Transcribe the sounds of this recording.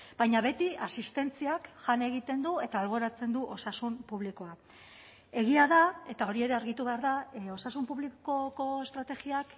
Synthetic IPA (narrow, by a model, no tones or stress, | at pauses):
b̥ajɲaβe̞t̪iasist̪e̞nt͡siakʝane̞ɣ̞it̪e̞nd̪ue̞t̪aːlβ̞o̞ɾat͡se̞nd̪uʔo̞sasumpuβ̞liko̞a | e̞ɣ̞iaðae̞t̪ao̞ɾie̞ɾe̞aɾɣit̪uβe̞aɾðao̞sasumpuβlikokoest̪ɾat̪e̞ɣiak